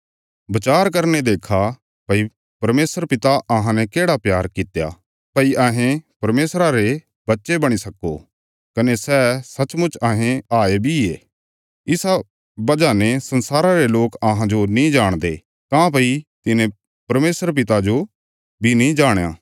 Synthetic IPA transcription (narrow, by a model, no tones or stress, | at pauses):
bɐt͡ʃaːɾkɐɾned̪eːkʰa | pɐi | pɐɾmeːsəɾpɪt̪aʔɐɦãnɛ̃keːɽapjaːɾkɪt̪eja̰ | pɐiʔaːɦẽpɐɾmeːsɾaɾe | bɐtːʃebɐɽ̃isɐko̰ | kɐnesɛːsɐt͡ʃmʊt͡ʃaːɦẽaːebʱieː | ɪsa | bɐd͡ʒanẽsɐ̃nsaːɾaɾeloːkɐɦãd͡ʒonĩd͡ʒaːɽ̃d̪eː | kãːp̬ɐit̪ɪnẽ | pɐɾmeːsəɾp̬ɪt̪ad͡ʒo | bʱinĩd͡ʒaːɽ̃ja̰ː